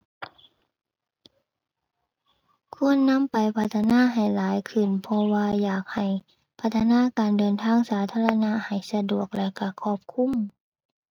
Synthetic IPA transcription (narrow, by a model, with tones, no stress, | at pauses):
kʰu˧˥˨ənːa˧˥˨mpa˨jpʰa˧˥t̪ʰːa˧naː˧˥˨ɦa˨˩jlaː˨˦jkʰɯ˧˩npʰɔ˧waː˧jaː˨˩k̚ha˨˩j | pʰa˧˥t̪ʰːa˧naː˧˥˨kaː˨ndɤː˨nt̪ʰaː˧˥˩ŋsaː˨˦t̪ʰaː˧˥˨la˧na˧˥ʔha˨˩jsa˧du˨˩ək̚lɛ˧ka˧˩kʰɔː˧˩p̚kʰu˧˥˨m